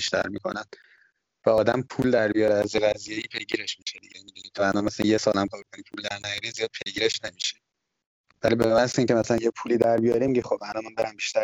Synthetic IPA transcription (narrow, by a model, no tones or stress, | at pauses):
iʃt̪ʰæ̰ɾmiːkʰo̰næn | væɒːd̪æmpʰuld̪æɾbijɒɾeæzjeɣæzije̞iːpʰe̞jɟiɾe̞ʃmiʃed̪iɟemid̪uːniːænɒnmæsljesɒːlæmkʰɒːɾkoniːpʰuld̪æɾnæjɒːɾizijɒːd̪̚pʰe̞jɟiɾeʃnemiʃe | vælibemænsiŋcemæsælænjepʰuliːd̪æɾbijɒɾimiɟixobælɒnmænbe̞ɾæmbiːʃt̪æɾ